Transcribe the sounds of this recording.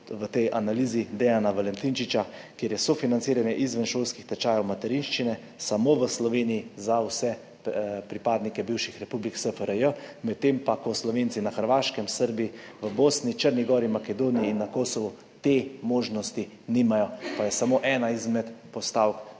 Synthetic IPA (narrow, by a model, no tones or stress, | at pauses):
ʋət̪ɛjʔanaliːzid̪ɛanaʋalɛnt̪int͡ʃit͡ʃakjeːɾjɛsɔfinansiːɾanjɛʔizʋənʃoːlskixt̪ɛt͡ʃaːjɛwmat̪ɛɾinʃt͡ʃinɛ | samoʋəslɔʋeːnijizawsɛ | pɾipaːd̪nikɛbiwʃixɾɛpubliksəfəɾəjəmɛt̪ːempakɔslɔʋent̪sinaxəɾʋaːʃkɛmsəɾbiiʋəboːsnit͡ʃəɾniɡɔːɾimakɛd̪onijiːnːakoːsɔʋu | t̪emoːʒnɔst̪i | nimajɔpajɛsamoʔɛːnaizmɛt̪pɔst̪aːwk